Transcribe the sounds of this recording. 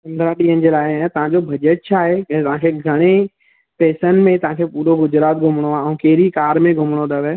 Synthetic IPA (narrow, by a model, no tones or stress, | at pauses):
pɐ̃nd̪ɾaɗiːɦənɪ̆d͡ʑeːlaːɪ̃t̪ɐʋ̤ãd͡ʑobʱɐd͡ʑəʈ̚t͡ɕʰaːɦeɛ̃ːt̪ɐʋɦãːkʰeɡʱɐɽ̃e | peːsən̆mẽt̪ɐʋ̤ɦãːkʰepuːɾoɡʊd͡ʑɾaːt̪̚ɡʱʊmɽ̃oaːɛ̃ũkeːɾikaːɾmẽɡʱʊmɽ̃od̪ɐʋe